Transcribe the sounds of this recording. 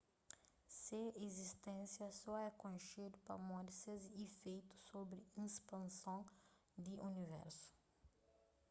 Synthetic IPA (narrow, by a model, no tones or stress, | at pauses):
seezist̪ẽsjɐsɔɛkõjʃed̪upɐ̰mɔ̃d̪sezifejt̪u̥sobɾiĩspɐ̃nsõ | d̪iʔunivɛ̰ɾsu̥